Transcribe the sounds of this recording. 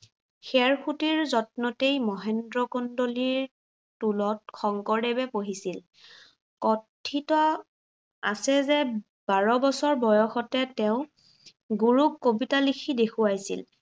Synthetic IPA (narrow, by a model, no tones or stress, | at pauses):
xɛɹxutiɹzɔt̚nɔtejmɔɦɛndɹɔkɔndoliɹ | tulɔt̚xɔŋkɔɹɛbɛpoɦisil | kɔtʰːitɔ | asɛzɛ | baɹɔbɔsɔɹbɔjɔxɔtɛtɛʊ̃ | ɡuɹukːobitalikʰidekʰuajsḭl